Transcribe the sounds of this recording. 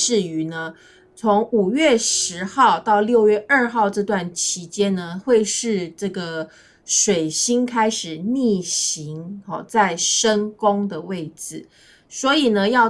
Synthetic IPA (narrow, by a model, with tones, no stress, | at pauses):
ɻ̩˥˩y˧˥nə˦ | t͡sʰo˧˥ŋu˨˩ɥɛ˥˩ʂɻ̩˧˥xɑ˥˧ʊt̪ɑ˥˧ʊljo˥˧ʊɥɛ˥˧ʔə˞˥˧xɑ˥˧ʊʈ͡ʂɤ˥˧t̪wa˥˩nt͡ɕʰi˧˥t͡ɕjɛ˦nnə˧xwe˥˧ɪʂɻ̩˥˧ʈ͡ʂɤ˥˩ɡə˩ | ʂwe˨˩ɪɕi˥ŋkʰa˥ɪʂɻ̩˨˩ni˥˩ɕi˧˥˦ŋɔ˥˨˩t͡sa˥˩ɪʂə˥ŋkʊ˥ŋd̪ə˨we˥˩ɪd͡zɹ̩˨˩˦ | swɔ˧˥i˨˩nə˦jɑ˥˧ʊ